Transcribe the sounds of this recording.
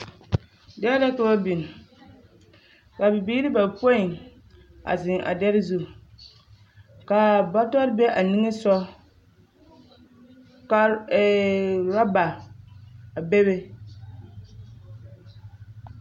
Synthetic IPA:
dɛ˦dɛ˦ka˨ba˦bi˨n˨ | ka˨bɪ˨biː˦ɾɪ˦ba˨po˦i˨ŋ | a̰˨zɪ˨ŋʔa̰˨dɛ˦ɾɪ˦zu˦ | ka˨ba˦tɔ˦ɾbɛ˦ʔa˨ni˦ŋɛ˦sɔ˦ | ka˦ | ɾa˦ba˨ | a˨be˦be˦

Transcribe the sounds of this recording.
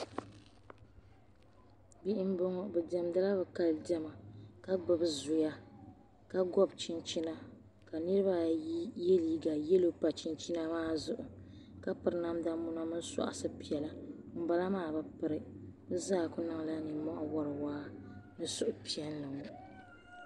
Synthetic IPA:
bi˦ʔɪ˦m˦bo˦ŋɔ˦bɛ˨dɛ˨mda˦la˦bɛ˨ka˨ldɛ˦ma˨ka˦ɡ͡bɨ˨bɨ˦zʊ˨ja˦ | ka˦ɡɔ˦bt͡ʃi˦nt͡ʃi˦na˦ | ka˨nɨ˦ɾɨ˦ba˦je˦liː˨˦ɡa˨jɛ˦lo˦pa˨t͡ʃi˦nt͡ʃi˦na˦maː˦zʊ˨ʔʊ˨ | ka˦pɨ˨ɾna˦mda˦mʊ˦na˦mɨ˦n˦sa̰˨ʔa̰˨sɨ˦pi˨ɛ˨la˦m̩˨ba˦la˦maː˦˨bɨ˨pɨ˨ɾɨ˦bɨ˦zaː˦˨kʊ˦na˨˦ŋla˦nɨ˨mɔ˦ʔɔ˨wa˦ɾɨ˨waː˦nɨ˦sʊ˨ʔʊ˨pi˨ɛ˦nːɨ˨ŋ˨

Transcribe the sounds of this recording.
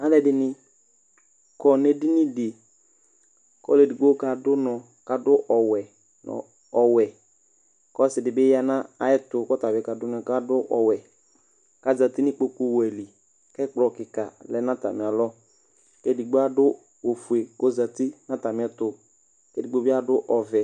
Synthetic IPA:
a˦lɛ˦dɪ˨nɪ˦ | kɔ˨ne˦dɪ˦nɪ˦dɪ˨ | kɔ̰˦le˨di˨ɡ͡bo˦ka˨dʊ˦nɔ˨ | ka˨dʊ˦ʔɔ˨wɛ˨ | nɔ̰˨ | ɔ˨wɛ˨ | kɔ˦sɪ˨dɪ˨bɪ˦ja˦na˦a˨ɛ˦tʊ˨kɔ˦ta˨bɪ˦ka˨dʊ˦n˦˨ka˦dʊ˦ʔɔ˨wɛ˨ | ka˦za˨ti˦nɪ˦k͡po˦ku˦wɛ˨li˨ | kɛ˦k͡plɔ˨kɪ˨ka̰˨lɛ˦nã˦ta̰˨mɪ˨a˨lɔ˦ | ke˦di˨ɡ͡bo˦a˦dʊ˦ | o˨fu˨e˨ko˦za˨ti˦nã˦ta˨mɪ̃˨˦ɛ˦tʊ˨ | kɛ˦di˨ɡ͡bo˦bɪ˦a˦dʊ˦ʔɔ˨vɛ˨

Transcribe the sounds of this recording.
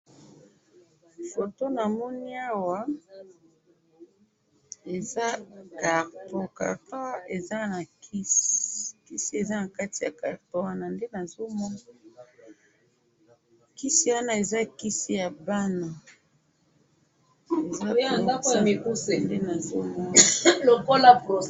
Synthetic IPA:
fo˨to˦na˨mɔ˦ni˦a˦wa˨˦ | e˨za˦ka˨ʁto˨ka̰˨ʁtwa˦e˨za˦na˨ki˦ski˦si˦e˨za˦na˨ka˦ti˨ja̰˨ka˨ʁto˦wa˦na˨nde˦na˨zo˦mɔ˦na˦ | ki˦si˦wa˦na˦e˨za˦ki˦si˦ja˨ba˦na˨ | e˨za˦˨a˦kjmi˨ku˦se˨nde˦na˨zo˦mɔ˦n˦lo˨ko˦la˦po˨

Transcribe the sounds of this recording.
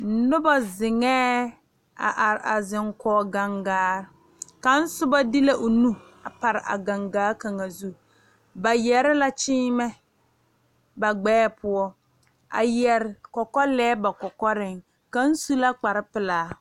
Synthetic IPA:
n̩˨˦nʊ˦ba˦zɪ˨ŋɛː˦ | a̰˨ʔa˨ɾɪ˨a˨zɪ˨ŋkɔː˨˦ɡa˨ŋɡaː˦ɾ | ka˨n̩˦sʊ˦ba˦di˦la˦ʔʊ˨nu˦ | a˨pa˨ɾɪ˨ʔa̰˨ɡa˨ŋɡaː˦ka˨ŋa˨zu˦ | ba˨jɛ˨ɾɪ˦la˦t͡ʃɪː˦mɛ˦ | ba˨ɡ͡bɛː˦pʊ˦ɔ˦ | a̰˨jɛ˨ɾɪ˨kɔ˨kɔ˦lɛː˦ba˨kɔ˨kɔ˦ɾɪ˦ŋ | ka˨n̩˦su˦la˦k͡pa˨ɾɪ˦pɪ˨laː˨˦

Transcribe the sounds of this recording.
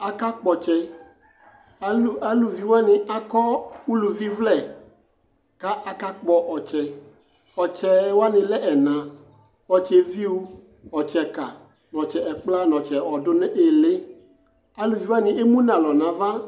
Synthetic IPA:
a˨ka˦k͡pɔ˨t͡ʃɛ˨˦˨ | a˦lu˨vi˨wo˦a˦nɪ̃˨a˦kɔ˦wu˦lu˨vi˦vlɛ˦˨ | ka˦ʔa˨ka˦k͡pɔ˦ʔɔ˨t͡ʃɛ˨ | ɔ˨t͡ʃɛ˨˦wo˦a˦nɪ̃˨lɛ˦ʔɛ˨nã˨ | ɔ˨t͡ʃɛ˨vi˦wu˦ | ɔ˨t͡ʃɛ˨ka˨ | nɔ̃˨t͡ʃɛ˨ɛ˨k͡pla˦nɔ̃˨t͡ʃɛ˨ɔ˨dʊ˦nɛ˦ʔe˦le˦ | a˦lu˨vi˨˦wa˦nɪ̃˨e˦mũ˦nã˨lɔ˨nã˨va˦

